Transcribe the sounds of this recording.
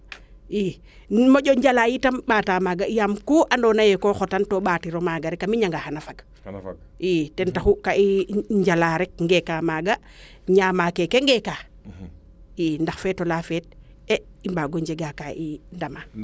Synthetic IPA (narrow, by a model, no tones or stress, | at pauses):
i | moɟoɲd͡ʒalajitamɓaːtaːmaɡaijamkuʔandɔːnajɛkoxotantoɓaːtiɾomaɡaɾɛkamiɲaŋɡahanafaɡ | itɛntaxukaʔiɲd͡ʒalaɾɛk̚ŋɡɛkamaɡa | ɲaːmakekeŋɡɛkaː | indaxfɛːtolafɛt̚ | eimbaɡoɲd͡ʒeɡakaʔindama